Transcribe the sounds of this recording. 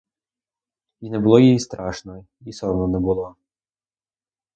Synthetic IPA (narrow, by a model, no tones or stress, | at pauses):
inɛbʊlˠɔjijist̪ɾɑʃnɔ | isɔnɔnɛbʊlˠɔ